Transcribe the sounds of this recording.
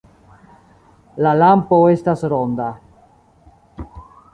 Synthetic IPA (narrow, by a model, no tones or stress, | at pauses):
lalampo̞e̞stasɾond̪a